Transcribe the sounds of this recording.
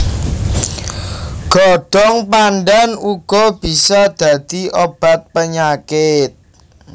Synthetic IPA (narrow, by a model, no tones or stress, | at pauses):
ɡ̥ɔɖ̥ɔŋpanɖanuɡ̥ɔb̥i̤sɔd̪̥ä̤d̪̥iʔob̥a̤t̪̚pəɲakɪt̪̚